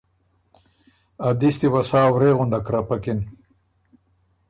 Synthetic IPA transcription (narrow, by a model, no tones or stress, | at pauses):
ad̪ist̪iwasaːwɾeːɣʊnd̪akɾapakin